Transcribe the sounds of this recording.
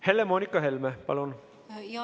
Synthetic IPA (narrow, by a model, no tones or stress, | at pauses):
helemoːnikːɑɦelmepɑ̰lon